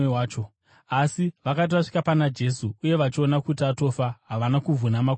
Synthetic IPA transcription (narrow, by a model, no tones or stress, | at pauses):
eaːt͡ʃo | asiʋakat̬iʋaʂi̥kapanad͡ʒe̞suːje̞ʋat͡ʃio̞nakutiato̞faɦaʋanakuvʱunama